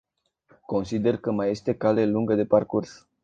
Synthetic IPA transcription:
ko̞nsid̪e̞rkəmaje̞st̪e̞kale̞luŋɡəd̪e̞parkurs

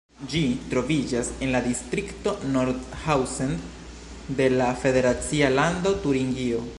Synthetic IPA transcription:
d͡ʒitɾo̞vid͡ʒase̞nladistɾikto̞noɾdhawsen | de̞lafe̞de̞ɾat͡sialando̞tuɾiŋɡio̞

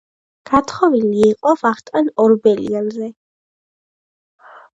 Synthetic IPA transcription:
ɡ̥at̪ʰχɔviliːqʼɔvaχt̪ʼɛnɔɾbɛlḭanzɛ

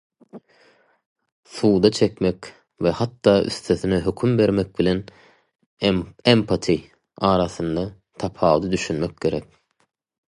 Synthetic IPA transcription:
θuːd̪ɑt͡ʃʰekʲmekʲ | vehɑt̪ːɑːʔy̰θt̪ʰøθinɛɦøkʰymbe̞ɾmek̚bilʲen | empʰat̪ʰi | ɑːɾɑθɯnd̪ɑ | t̪ʰɑpʰɑːwd̪ɯd̪yʃynmek̚ʲɡe̞ɾek̚ʲ

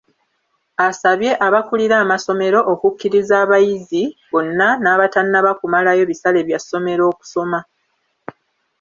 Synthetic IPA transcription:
asaβje̞ʔaβakuliɾaːmaso̞me̞ɾo̞ʔokukːiɾizaːβajiziβo̞nːanaːβatanːaβakumalajo̞βisale̞ːβjasːo̞me̞ɾo̞ːku̥so̞ma

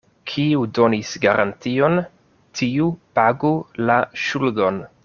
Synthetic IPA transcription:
kʰiudo̞nisɡaɾʔa̰ntio̞n | tʰiupaɡulaʃuldo̞n

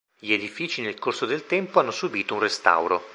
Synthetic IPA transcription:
ʎed̪ifiːt͡ʃinelkorsod̪elt̪ɛmpoanːosubiːt̪ounrest̪a̰wɾo

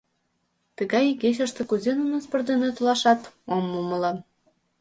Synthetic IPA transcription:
t̪ə̆ɣɑjiɡeɕ̬ə̆ʃt̪ĕkuzenunospɤ̆rd̪enet̪ulɑʃɑt̪omːuməlɤ

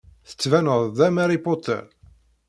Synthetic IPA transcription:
θə̥t͡sːvænəðˤðæmæɾipot̪ʰːɛ̰ɾ

